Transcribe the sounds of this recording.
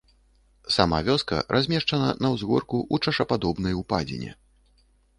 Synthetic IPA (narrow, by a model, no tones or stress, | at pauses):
sama̰vʲɔskɐ̰ɾʔazʲmʲɛʂt͡ʂɐnɐnɐwzɣɔrkuʔut͡ʂɐʂɐpad̪ɔbnɐjupad͡zʲḭnʲɛ̰